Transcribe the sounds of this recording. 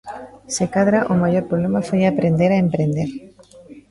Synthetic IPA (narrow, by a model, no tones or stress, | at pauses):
sekaðɾaʔomaʝoɾpɾoβlemafojapɾend̪eɾaempɾend̪eɾ